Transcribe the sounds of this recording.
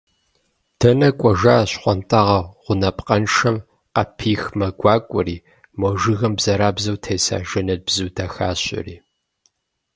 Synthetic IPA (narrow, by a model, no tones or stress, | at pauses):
d̥ʰɐnɐkʷʼɔʒaːɕχʷɔntʼaʁɐʁʷʊnɐpʼqʼɐnʂɐm | qɐpʰiːxmɐɡʷɑːkʷʼʊɾiː | mɔʒɨɣɐmbz̥ɐɾaːbzɐwtʰejsa̰ːʒɐnɐd̚bzɨwdɐxaːɕʼɪ̰rḭː